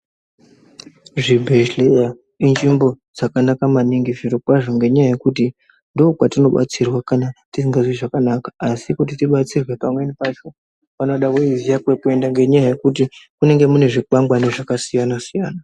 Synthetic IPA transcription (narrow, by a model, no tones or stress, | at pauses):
ʐibʱeʒleja | ind͡ʒimbo̞ | d͡zakanakamaniŋɡiviɾokwaʐo̞ŋɡe̞ɲaaje̞kut̬i | ndoːkwatino̞ɓa̰t͡sirwakanatisiŋɡaziʐakanakḁːsikut̬itiɓat͡sirwe̞pamwe̞nipat͡ʃo̞ | pano̞ɗaʋoizijakwekue̞ndaŋɡe̞ɲaaje̞kut̬ikune̞ŋɡe̞mune̞ʐik͡pambwaniʐakasijanasijaːna